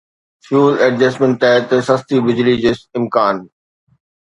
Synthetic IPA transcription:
fjuːlɛɖd͡ʑɐsmẽɳʈ̪ːaːt̪esɐst̪ibɪd͡ʑlid͡ʑesɪ̃mkaːn

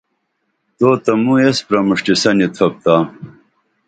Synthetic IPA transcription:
t̪oːt̪ɐmuespɾɐmuʂʈisɐnit̪ʰɐp̚t̪aː

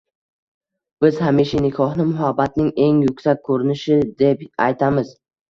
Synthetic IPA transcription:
b̥ɪz̥hamiʃanɪkʲʰɒhnɪmʊɦabːat̪̚nɪŋe̞ŋjʊkʲsak̚ʲʰːɵɾɪnɪʃɪd̪e̞pajt̪ʰamɪz

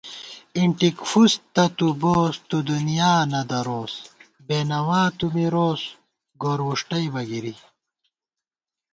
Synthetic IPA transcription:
iɳʈikfust̪ɐt̪uboːst̪ud̪unijaːnɐd̪ɐɾoːs | beːnɐwaːt̪umiɾoːs | ɡoːɾwuʂʈɐjbɐɡiɾi

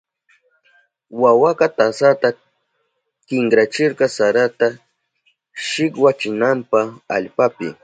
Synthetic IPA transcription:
wawakɑt̪asat̪a | kɪŋkɾat͡ʃɪɾqɑsaɾat̪a | ʃɪkwat͡ʃɪnampaa̰ʎpapɪ̰

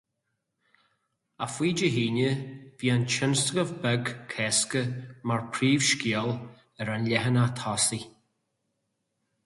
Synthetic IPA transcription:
afwiːd͡ʒəɦiːnəviːant͡ʃɪnst̪əɡəvbɛɡkʰɛːskəmaɹpʰɾiːv̥ʃkiəl | ɛɾanlɛɦənat̪ʰɔsi

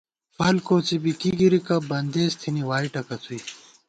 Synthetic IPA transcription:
pɐlkoːt͡sibikiɡiɾikɐbɐnd̪eːst̪ʰiniwaːiʈɐkɐt͡s̪ʰui

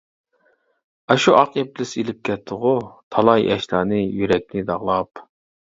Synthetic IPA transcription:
ɛʃuʔɑqep̚lɪselɪp̚kʲɛt̪ʰːʊʁʊt̪ʰɑlˠɑjɛ̰ʃlˠɑːnɨjyɾɛk̚ʲnɪd̪ɑʁlˠɑp

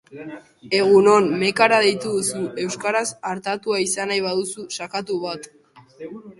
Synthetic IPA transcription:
e̞ɣ̞uno̞nme̞kaɾað̞e̞jt̪uðusuʔe̞wskaɾasaɾt̪at̪uaisanajβ̞aðususakat̪uβat̪

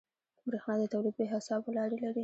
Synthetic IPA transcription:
bɾexnɑd̪ət̪awlid̪̚bəɦasɑbwəlɑɽelaɾi

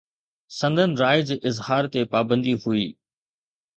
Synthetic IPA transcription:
sɐ̃nd̪ʱənɪ̆ɾaːɪd͡ʑeːʔɪzhaːɾt̪epaːbə̃nd̪iɦuiː

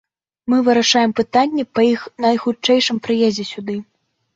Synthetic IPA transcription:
mɨvɨɾaʂajɛmpɨt̪anʲːɛpɐixnɐjxut͡ʂɛjʂɨmpɾɨjɛzʲɛsʲud̪ɨ

